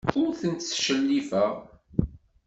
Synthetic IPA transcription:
ʊɾθənt̪sʃəlːifəʁ

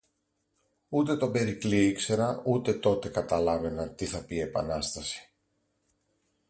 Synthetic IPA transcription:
ut̪e̞t̪o̞be̞ɾikliikse̞ɾɐut̪e̞t̪o̞t̪e̞kɐt̪ɐlɐve̞nɐt̪iθɐpie̞pɐ̰nɐst̪ɐsi̥

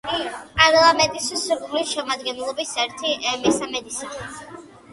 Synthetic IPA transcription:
pʼaɾlˠamɛnt̪ʼisɛsuɾlisʃɛmad̪ɡɛnlˠɔbisɛɾt̪ʰimɛsamɛd̪isin

